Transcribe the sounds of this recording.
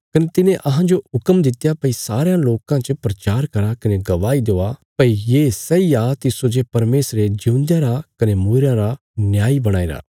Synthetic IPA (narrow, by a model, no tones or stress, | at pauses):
kɐnet̪ɪnẽʔɐɦãd͡ʒoɦʊkəmd̪ɪt̪japɐisaːɾejãloːkãt͡ʃəpɾɐt͡ʃaːɾkɐɾakɐneɡɐʋaːid̪oːapɐijeːsɐiat̪ɪsod͡ʒepɐɾmeːsɾed͡ʒũnd̪jãɾakɐnemuːɾãɾa | njaːibɐɽ̃aːeːɾa̰ː